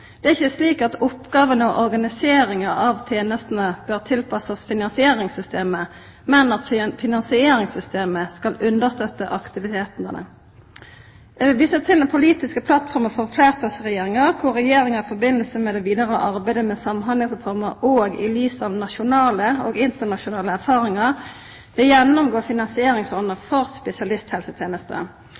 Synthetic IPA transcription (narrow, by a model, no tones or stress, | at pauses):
d̪̥ɛːæɪçəsliːkɑt̪ʊpɡɑːʋənəɔʔɔɾɡɑnɪseːɾɪŋɑɑʋt̪ʰjeːnəst̪ən̩əb̥øːʁt̪ʰɪlpʰɑsɑsfɪnɑnsɪeːʁɪŋsʏst̪ʰeːmə | mɛnɑt̪fɪnɑnsɪeːɾɪŋsʏst̪eːməskɑlʉnd̪əʁst̪œt̪ːəʔɑkt̪ɪʋɪt̪ʰeːt̪nənə̰ | d̪ɛʋɪlʋiːsət̪ʰɪld̪ɛnpʰʊliːt̪ɪskəpʰlɑt̪fɔɾməfɔʁfleːʁt̪ʰɑsʁɛjeːʁɪŋɑʁkʰʊʁʁɛjeːɾɪŋɑɾɪfɔbɪnəlsəmɛd̪ɛʋiːd̪ɑʁəʔɑʁbæɪd̪əmɛsɑmnɦɑnlɪŋsʁɛfɔʁməʁoːɡɪ̰lyːsəɑʋnɑʃʊnɑːləoːɡɪnt̪əʁnɑʃʊnɑːləæʁfɑːʁɪŋɑʁ | ʋɪjɛnːɔmɡoːfɪnɑnsɪeːɾɪŋsɔnəfɔʁspɛsɪɑlɪst̪hɛlsət̪ʰjeːnəst̪ə̰